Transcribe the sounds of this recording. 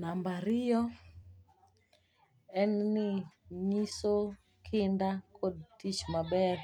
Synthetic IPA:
nambaɾɪjɔ | ɛnnɪɲiso | kʰɪndakʰod̚tit͡ʃmabɛr

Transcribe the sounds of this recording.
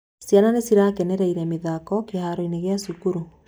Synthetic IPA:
sjananesiɾakɛnɛɾɛiɾɛmeðaːkɔkehaɾoineɣeasukuɾu

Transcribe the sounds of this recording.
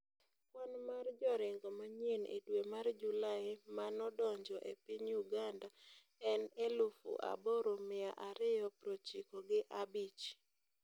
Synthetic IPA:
kwanmard͡ʒɔɾɪŋɡɔmaɲenʔḛdwemard͡ʒulaɪmanɔdɔɲd͡ʒɔʔḛpiɲuɡanda | ɛnelʊfṵʔa̰bɔɾomɪaʔaɾɪjɔpɾot͡ʃikɔɡɪʔabit͡ʃ

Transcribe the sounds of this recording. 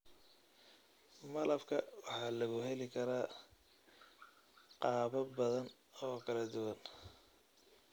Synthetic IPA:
mɐlɐbkʰɐwɑħɑːlɐɣʊɦɛlɪkʰɐɾaː | qɑːβɐbɐðɐn | ɔːkʰɐlɐd̪ʊwɐn

